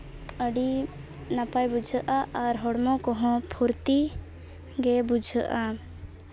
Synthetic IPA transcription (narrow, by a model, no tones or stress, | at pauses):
əɖi | napajbud͡ʒʱəʔaʔaɾɦɔɽmɔ̃kɔɦɔ̃pʰuɾt̪i | ɡɛbud͡ʒʱəʔa